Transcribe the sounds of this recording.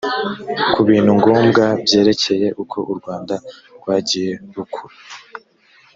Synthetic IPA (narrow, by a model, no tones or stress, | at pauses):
kuβiːn̥huŋɡoːmɡabje̞ːɾe̞cʰe̞je̞ʔukʰo̞̰ʔuɾɡwaːnda | ɾɡ̥waːɟije̞ɾukʰuɾa